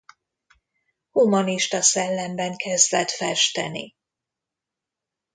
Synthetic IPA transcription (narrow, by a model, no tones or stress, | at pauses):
humɒniʃt̪ɒsɛlːɛmbɛŋkʰɛzd̪vɛt̪fɛʃt̪ɛ̰nḭ